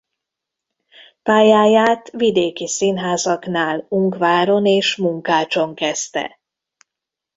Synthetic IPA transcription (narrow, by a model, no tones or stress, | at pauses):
paːjaːjaːt̪ʋid̪eːkisinɦaːzɒknaːluŋkʋaːɾo̞neːʃmuŋkaːt͡ʃo̞ŋkɛst̪ɛ̰